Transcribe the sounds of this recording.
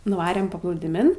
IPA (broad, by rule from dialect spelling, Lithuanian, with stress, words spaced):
nʊˈʋɑːrʲeːm pɐplˠuːdʲɪˈmʲɪn